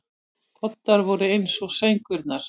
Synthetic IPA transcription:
kʰɔt̪ːaɾvɔɾʏejnsɔɣsejŋkʏɾt̪naɾ̥

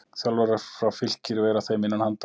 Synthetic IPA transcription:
θjalvaɾaɾ̥fɾawfɪl̥cɪɾvɛːɾaθeːjmɪnːanhant̪

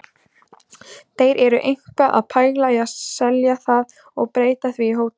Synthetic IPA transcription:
θejɾʔɛɾʏʔejŋ̥kaʔa̰ðpʰaːjɣlajasɛljaθað | ɔɣpɾeːjt̪aθviɦowt̪

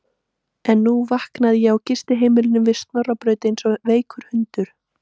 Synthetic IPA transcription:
ɛnːuvahknaðɪjɛɣawcɪst̪ɪɦeːjmɪlɪnʏmvɪðst̪nœrːapɾœːɥt̪nsɔveːjkʰʏɾ̥hʏnt̪ʏɾ̥

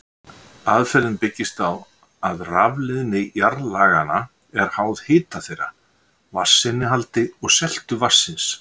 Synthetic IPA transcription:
aðfɛɾɪnpɪcːɪst̪aw | aðravlɪðnɪjaɾlaːɣana | ɛɾ̥haːwð̥hɪːt̪aθejɾa̰ | vasːɪnːɪɦalt̪ɪɔɣsɛl̥t̪ʏvasːɪns

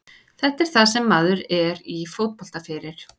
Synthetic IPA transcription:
θɛht̪ɛɾ̥θaðsɛmːaːðʏɾɛɾifowt̪̚pɔl̥t̪afɪːɾɪɾ̥

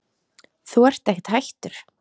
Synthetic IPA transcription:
θuɛr̥t̪ɛhcɪ̥t̪hajht̪ʏɾ̥

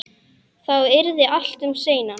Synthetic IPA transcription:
θawɪɾðɪʔal̥t̪ʏmseːjna

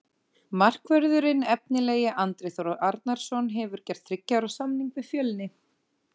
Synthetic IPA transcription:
mar̥kvœɾðʏɾɪnɛp̚nɪleːjɪʔant̪ɾeθɔɾɔʔaɾt̪̚naɾ̥sɔnɦɛvʏɾ̥cɛr̥t̪θɾɪcːaɾawsamniŋkvɪfjœːlnɪ

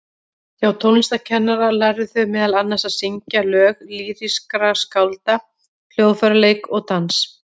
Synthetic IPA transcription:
jawt̪ʰownɪst̪acʰɛnːaɾalajɾðɪθœɥmɛːðalanːasaðsɪɲcalœːɣliːɾiskɾaskawlt̪a | kʰl̥joːwfœɾaleːjkɔɣt̪ʰans

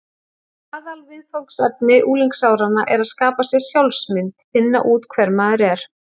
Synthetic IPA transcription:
aːðalvɪðfowksɛt̪̚nɪʔuːliŋksaːwɾanːaʔɛɾaðskaːpasjɛɣsjawlsmɪnt̪fɪnːa̰ʔuːt̪kʰvɛɾmaːðʏɾɛɾ̥

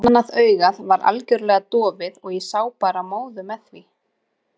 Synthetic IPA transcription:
naðœːɥɣaðvaɾʔa̰lcʏɾlɛɣat̪ɔːvɪðɔɣisaːwpaːɾamoːwðʏmɛðθvi

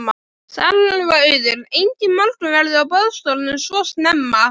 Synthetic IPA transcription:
ma | sa̰llvaœɥðʏɾejɲcɪmal̥t̪ʏvɛɾðʏawpœðst̪owlnʏmsvɔst̪nɛmːa

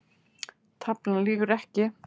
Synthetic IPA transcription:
t̪ʰapnanliːɣʏɾɛhcɪ

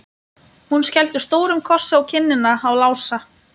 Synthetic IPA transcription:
hunscɛlt̪ʏst̪oːwɾʏmkʰɔr̥saawcʰɪnːɪnaawlaːwsa

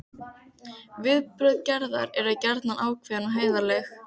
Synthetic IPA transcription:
vɪðpɾʏðcɛɾða̰ɾɛɾaðcɛɾt̪nanʔaːwkʰvɛːnaɦeːjðalɛx

